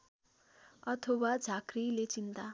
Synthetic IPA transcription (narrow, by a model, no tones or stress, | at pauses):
ʌt̪ʰʌwad͡zʱakrilet͡sint̪a